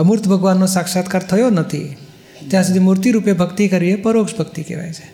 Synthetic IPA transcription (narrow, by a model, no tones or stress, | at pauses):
muɾt̪ʰbʱəɡʋanːosakʃat̪kəɾt̪ʰəjonət̪ʰḭ | t̪jãsəd̪ʱimuɾt̪iɾupjebʱəkt̪ikəɾijepəɾokʃbʱəkt̪ikḛʋa̰jt͡ʃʰe̥